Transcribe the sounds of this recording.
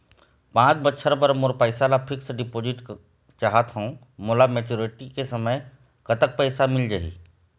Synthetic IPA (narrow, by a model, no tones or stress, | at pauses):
pãːt͡ʃbətːʃʰəɾbɐɾmʊɾpəɪsalapʰɪksɖɪpoːzɪʈ | t͡ʃaɦat̪ɦõː | moːlameːt͡ʃuːɾɪʈikesɐməj | kɐt̪ək̚pɛɪsamɪld͡ʒaɦḭː